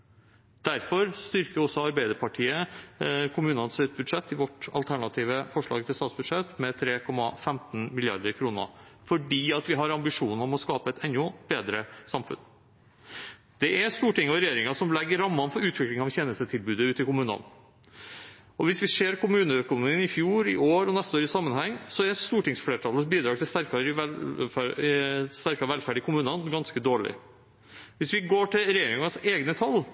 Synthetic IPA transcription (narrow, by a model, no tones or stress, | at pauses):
d̪̥æɾfɔɾst̪ʏɾkəɾɔsːɔɑɾbæɪd̪əɾpʰɑʈʰiːə | kʰʊmʉːnɑnsɪt̪̚bʉd̪ʂɛt̪ːɪʋɔʈɑ̰lt̪ʰæɳɑt̪ʰiːʋəfɔʂɭɑ̰ːɡ̚t̪ʰɪlst̪ɑːt̪sbʉd̪ʂɛt̪mɛt̪ʰɾeːkʰɔmːɑfɛmt̪n̩mɪlɪɑ̰ɾd̪əɾkʰɾuːnə̰fɔɖiːɑt̪ʋɪɦɑɾɑmbɪʂuːnɔmɔskɑːpəɛt̪ʰɛnːʊb̥eːd̪ɾəsɑmfʉ̰n | d̪̥ɛʔæɾst̪uːʈɪŋːɔɾɛjeːɾɪŋɑsɔmlɛɡːəɾɾɑmːɑnfɔɾʉːt̪ʋɪklɪŋɑʋçɛːnəst̪ət̪ʰɪlbʉːd̪əʉːt̪ɪkʊmʉːnɑ̰n | ɔʋɪsʋɪseːɾkʰʊmʉːnəœkʊnʊmiːnɪfjuːɾɪ̰ʔoːɾɔnɛst̪əoːɾɪsɑmːənhɛŋsɔæɾst̪uːʈɪŋsfleːʈʰɑlːəsbiːd̪ɾɑːt̪ʰɪlst̪æɾkɑɾʋɛæ | st̪æɾkɑʋɛlfæɖɪkʊmʉːnɑnɡɑnskəd̪oːɭɪ̰ | ʋɪsʋɪɡoːʈɪlɾɛjeːɾɪŋɑseːɡnət̪ʰɑlː